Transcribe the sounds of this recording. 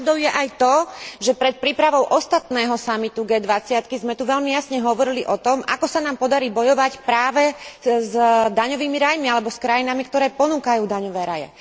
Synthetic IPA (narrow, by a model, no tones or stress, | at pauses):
d̪ɔʊjɛʔajt̪ɔʒɛpɾɛt̪̚pɾiːpɾaʋɔʊʔɔst̪at̪nɛːɦɔsamit̪uɡɛːd̪ʋat͡sɪat̪kizmɛt̪uʋɛʎmijasɲɛɦɔʋɔɾiliʔɔt̪ɔma̰kɔsanaːmpɔd̪aɾiːbɔjɔʋacpɾaːʋɛzd̪aɲɔʋiːmiɾajmialɛbɔskɾajinamikt̪ɔɾɛːpɔnuːkajuːd̪aɲɔʋɛːɾajɛ̰